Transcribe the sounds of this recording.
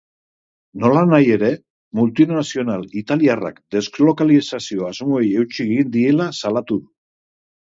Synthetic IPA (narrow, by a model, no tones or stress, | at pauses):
no̞lanaje̞ɾe̞ | mult̪inasio̞nalit̪aliara̰kd̪e̞zɡlo̞kalisasio̞azmo̞eje̞wt͡ʃieɣind̪ie̞lasalat̪uðu